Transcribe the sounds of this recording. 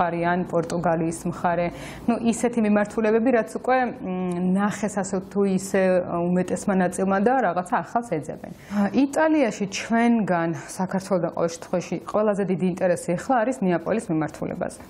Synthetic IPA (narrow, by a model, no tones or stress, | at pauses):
aɾɛanpʼɔɾt̪ʼuɡaliːsmχaɾɛ | nuʔisɛt̪ʰimimaɾt̪ʰulɛbɛbiɾat̪sʰukʼwɛnaχɛsasɛt̪ʰuisɛumɛt̪ʼɛsmanat̪sʼilˠmad̪aɾaʁat̪sʰaːχalˠsɛd̪zɛ̰bɛ̰nit̪ʼaliaʃit͡ʃʰwɛnɡansakʰaɾt̪ʰwɛlˠɔd̪aqʼɔ̰vɛlˠʃɛ̥t̪ʰχwɛaʃiqʼwɛlˠazɛd̪id̪iːnt̪ʼɛɾɛsiɛχlˠaːɾisniapʼɔ̰lismimaɾt̪ʰulɛ̰ba̰zɛ